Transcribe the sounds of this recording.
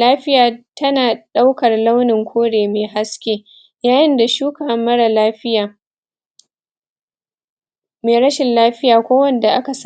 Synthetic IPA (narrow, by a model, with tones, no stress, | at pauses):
laː˦ɸɪ˦jaː˨tɐ˦naː˨ɗa˦wkɐ˨rla˦wnɪ˨ŋkʷʰoː˦ɽeː˨meː˨ɦa˦skʲeː˦ | jaː˦jɪ˦nda˨ʃuː˦kaː˨mːɐ˦ɽa˨laː˦ɸɪ˦aː˨ | meː˨ɾɐ˦ʃɪ˨nlaː˦ɸɪ˦jaː˨kʷoː˦wɐ˦nda˨ʔa˦ka˨s